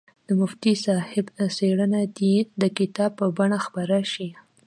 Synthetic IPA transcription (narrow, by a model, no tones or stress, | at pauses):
d̪̥əmʊft̪isɑhɪbseɽənad̪id̪əkɪt̪ɑb̚pːəbaɳaxpaɾaʃi